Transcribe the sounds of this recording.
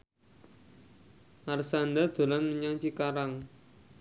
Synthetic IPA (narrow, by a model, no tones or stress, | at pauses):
arsand̪ad̪̥o̤lanmuɲaŋt͡ʃikaɾaŋ